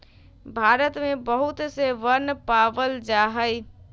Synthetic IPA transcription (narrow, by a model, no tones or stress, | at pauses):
bʱaɾət̪mebəɦut̪seʋənːpabəld͡ʒaɦəj